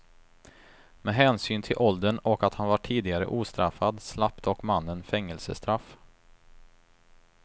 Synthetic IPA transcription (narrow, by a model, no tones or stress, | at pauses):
mɛɦɛːnsyːnt̪ʰɪlʔɔld̪əɳɔkat̪hanvaʈʰiːd̪ɪɡaɾə̰ʔuːst̪ɾafːad̪slap̚t̪ʰɔkmanːənfɛŋːəlsəst̪ɾaf